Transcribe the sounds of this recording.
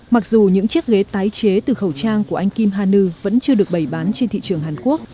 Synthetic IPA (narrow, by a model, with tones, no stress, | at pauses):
ma˨˩k̚zu˨˩ɲɨ̰˧˥ŋt͡ɕi˦˥ək̚ɣe˨˦t̪aː˨˦jt͡ɕe˨˦t̪ɨ˨˩xə˧˩wt͡ɕaː˧ŋku˧˩əʔa˧jŋ̟ki˧mɦaː˧nɨ˧və̰˧˥nt͡ɕɨ˧əɗɨ˨˩ək̚ɓə˧˩jɓaː˨˦nt͡ɕe˧nt̪ʰḭ˧˨t͡ɕɨ˨˩əŋɦaː˨˩nku˦˥ək̚